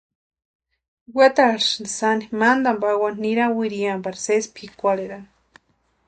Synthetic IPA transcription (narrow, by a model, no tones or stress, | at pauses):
wat̪aɾʃnsanimand̪ambawanniɾawiɾiambaɾsespʰikʷaleɾan